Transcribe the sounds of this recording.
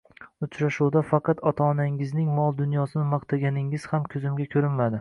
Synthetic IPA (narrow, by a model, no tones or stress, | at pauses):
ʊt͡ʃʰɾaʃuwd̪afɑqʰɑt̪ɒt̪ʰaːnaŋɪznɪŋmɒlˠd̪ʊnjɒsɪnɪmɑqt̪ʰaɡʲanɪŋɪz̥hamkʲʰɵzɪmɡʲakʲʰɵɾɪnmad̪ɪ